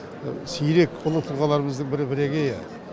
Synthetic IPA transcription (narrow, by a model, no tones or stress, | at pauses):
sijɾe̞kolˠəɴt̪ʰuʁɑlˠɑɾəməzd̪əɴbɪɾɪbɪɾeɡʲejæ